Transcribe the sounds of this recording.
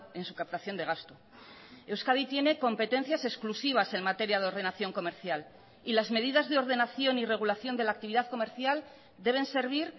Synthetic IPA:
e̞nsukap̚t̪aθjo̞nd̪e̞ɣ̞ast̪o | e̞wskaðit̪je̞ne̞ko̞mpe̞t̪ẽ̞n̟θjase̞sklusiβ̞ase̞nmat̪e̞ɾjaðeo̞ɾðe̞naθjo̞ŋko̞me̞ɾθjal | ilazme̞ðiðazðeo̞ɾð̞e̞naθjo̞nire̞ɣ̞ulaθjo̞nd̪elak̚t̪iβ̞iðaðko̞me̞ɾθjal | d̪e̞β̞e̞nse̞ɾβ̞iɾ

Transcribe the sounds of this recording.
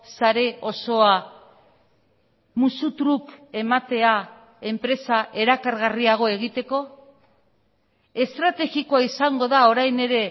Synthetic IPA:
saɾe̞o̞so̞a | musut̪ɾuke̞mat̪e̞a | e̞mpɾe̞saʔe̞ɾakaɾɣariaɣ̞o̞e̞ɣ̞it̪e̞ko̞ | e̞st̪ɾat̪e̞ɣikoaisaŋɡo̞ðao̞ɾajne̞ɾe̞

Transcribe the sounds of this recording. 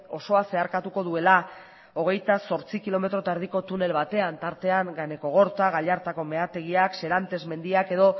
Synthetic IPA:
o̞so̞ase̞aɾkat̪uko̞ðue̞la | o̞ɣ̞e̞jt̪aso̞ɾt͡sikilo̞me̞t̪ɾo̞t̪aeɾð̞iko̞t̪une̞lβat̪e̞ant̪aɾt̪e̞aŋɡane̞ko̞ɣ̞o̞ɾt̪aɣaʎaɾt̪ako̞me̞at̪e̞ɣ̞iakse̞ɾant̪e̞zme̞nd̪iake̞ðo̞

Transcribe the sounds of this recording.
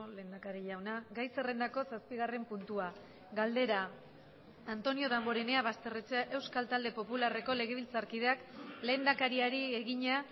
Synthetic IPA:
le̞ːnd̪akaɾiʎawnaɡajse̞re̞nd̪ako̞saspiɣare̞mpunt̪ua | ɡald̪e̞ɾaː | nt̪o̞nio̞ðamɡo̞ɾene̞aβast̪e̞ret͡seaʔe̞wskalt̪ald̪e̞po̞pulare̞ko̞le̞ɣ̞e̞β̞ilt͡saɾkið̞e̞akle̞ːnd̪akaɾiaɾieɣiɲa

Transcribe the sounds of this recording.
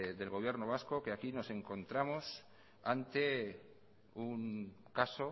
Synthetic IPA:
ðe̞lɣo̞β̞je̞ɾnoβ̞asko̞keakino̞se̞ŋko̞nt̪ɾamos | ant̪e̞ | uŋkaso̞

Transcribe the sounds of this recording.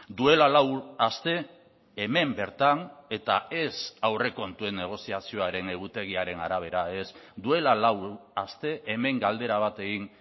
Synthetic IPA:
d̪ue̞lalawast̪e̞ː | me̞mbe̞ɾt̪ane̞t̪ae̞sawre̞ko̞nt̪ue̞nːe̞ɣ̞o̞siasio̞aɾe̞ne̞ɣ̞ut̪e̞ɣ̞iaɾe̞naɾaβ̞e̞ɾae̞sd̪ue̞lalawast̪e̞ʔeme̞ŋɡald̪e̞ɾaβ̞at̪e̞ɣin

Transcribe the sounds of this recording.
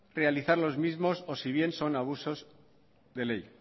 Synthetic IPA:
re̞aliθaɾlo̞zmizmo̞so̞siβ̞je̞nso̞naβ̞uso̞z | ðe̞le̞j

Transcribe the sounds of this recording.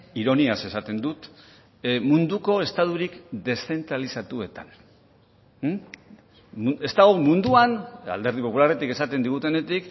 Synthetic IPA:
iɾo̞niase̞sat̪e̞nd̪ut̪ | mund̪uko̞e̞st̪aðuɾikd̪e̞sθe̞nt̪ɾalisat̪ue̞t̪a̰n | ue̞st̪aɣomund̪uana̰ld̪e̞ɾðipo̞pularet̪ike̞sat̪e̞nd̪iɣ̞ut̪e̞ne̞t̪ik

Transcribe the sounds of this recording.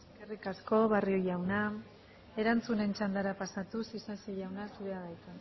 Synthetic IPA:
eskerikasko̞βarioʝawna | e̞ɾant͡sune̞nt͡ʃand̪aɾapasat̪usisasiʝawnasuɾeaɣajt̪a

